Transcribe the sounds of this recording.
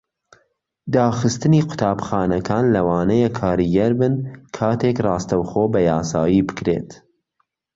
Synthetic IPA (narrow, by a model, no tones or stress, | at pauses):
d̪ɑːxɨst̪ɨniːqʊ̥t̪ʰɑːbxɑːnɐkʰɑːnlɐwɑːnɐjɛkʰɑːɾiːɡɐɾbɨnkʰɑːt̪ʰekrˤɑːst̪ɐwxoːbɐjɑːsɑːjiːbɨ̥kɾḛːt̪